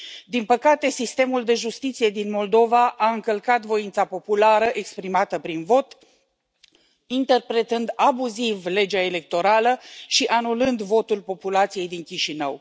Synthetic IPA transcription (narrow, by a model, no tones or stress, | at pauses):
d̪inpəkat̪e̞sist̪e̞muld̪e̞ʒust̪it̪sije̞d̪inmo̞ld̪o̞vaʔaɨŋkəlkat̪vo̞int̪sapo̞pulaɾəʔe̞kspɾimat̪əpɾinvo̞t̪ | int̪e̞rpɾe̞t̪ɨnd̪abuzivle̞d͡ʒaele̞k̚t̪o̞ɾaləʃiʔanulɨnd̪vo̞t̪ulpo̞pulat̪sije̞jd̪iŋkʲiʃinə̰w